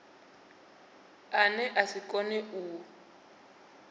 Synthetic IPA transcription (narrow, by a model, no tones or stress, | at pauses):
anɛʔasikʼɔnɛuː